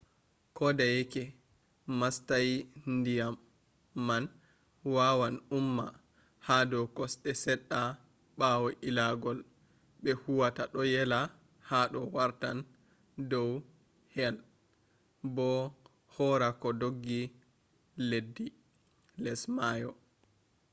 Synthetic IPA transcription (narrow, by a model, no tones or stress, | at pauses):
kɔdajɛkɛ | mastajndijamː | an | wawanumːa̰ | hadɔkɔsɗɛsɛɗːa | ɓawɔʔilaɡɔl | ɓɛhuwataɗɔjɛla | haɗɔwaɾtan | dɔw | hɛl | bɔ | hɔɾakɔdoɡːi | ledːi | lɛsmajɔ